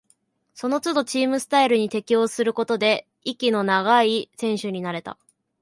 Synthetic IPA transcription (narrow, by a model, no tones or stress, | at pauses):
so̞no̞t͡sɨd̪o̞t͡ɕiːmɯ̟sɨ̥t̪aiɾɯ̟ɲ̟it̪e̞kʲio̞ːsɨɾɯ̟ko̞t̪o̞d̪e̞ | ikʲino̞naɡaisẽ̞ɰ̃ɕɨɲ̟inaɾe̞t̪a̰